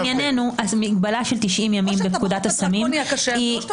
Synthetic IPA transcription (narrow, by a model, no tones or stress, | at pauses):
janeːnuʔamɪɡbalaʃelt̪iʃʔiːmjamiːmbefkud̪aːt̪asːamiːmk